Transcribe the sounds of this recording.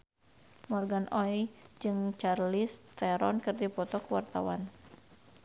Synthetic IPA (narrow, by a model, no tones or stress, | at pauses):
mɔrɡanʔɔjd͡ʒɨŋt͡ʃarlɪst̪ɛɾɔnkɨrdipɔt̪ɔkəwart̪a̰wa̰n